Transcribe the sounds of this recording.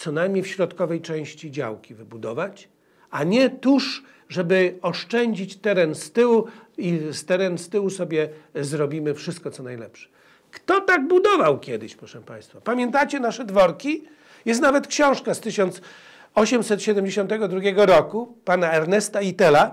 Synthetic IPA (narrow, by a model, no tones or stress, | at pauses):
t̪sɔnajmʲɲejfɕɾɔt̪kɔvɛjt͡ʂɛ̃w̃ɕt͡ɕid͡ʑa̰wkʲivɘbud̪ɔvat͡ɕ | aɲɛt̪uʂ | ʐɛbɘɔʂt͡ʂɛɲd͡ʑit͡ɕt̪ɛɾɛnst̪ɘwuist̪ɛɾɛnst̪ɘwusɔbʲjɛzɾɔbʲimɘfʂɘst̪̚kɔt̪sɔnajlɛpʂɛ̥ | kt̪ɔt̪aɡ̚bud̪ɔvawkʲɛd̪ɘ̰ɕpɾɔʂɛ̃pã̰j̃st̪fapamʲjɛnt̪at͡ɕɛnaʂɛd̪vɔɾkʲi | jɛst̪navɛt̪kɕɔ̃w̃ʂkast̪ɘɕɔnt̪s | ɔɕɛmsɛt̪ɕɛd̪ɛmʲd͡ʑeɕɔnt̪ɛɡɔd̪ɾuɡʲjɛɡɔɾɔkupanaɛɾnɛst̪ait̪ɛla